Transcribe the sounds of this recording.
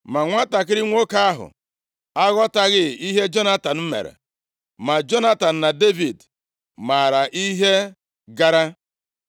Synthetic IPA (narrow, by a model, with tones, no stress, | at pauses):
ma˨ŋʷa˦ta˨k̬ɪ˦ɾɪ˦ŋʷo˦ka˦a˦ɦʊ̰˨ | a˦ɣɔ˦ta˦ɣɪ˦i˦ɦe˦d͡ʒo˦na˦ta˨n̩˦m̩˦mḛ˨ɾḛ˨ | ma˨d͡ʒo˦na˦ta˨n̩˨na˨de˦vi˨d | ma˨ɾa˨ʔi˦ɦe˦ | ɡa˦ɾa˦